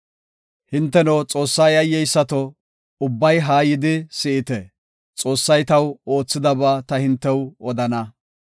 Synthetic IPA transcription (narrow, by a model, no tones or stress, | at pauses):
hɪnt̪ːɛnot͡sʼo̞ːsːɐjɐjːɛjsːɐt̪ɔ | ʊbːɐjɦaːjɪd̪ɪsɪʔɪt̪ɛ | t͡sʼo̞ːsːɐjt̪ɐwo̞ːt͡sːɪd̪ɐbaːt̪ɐhɪnt̪ːɛwɔd̪ɐnɐ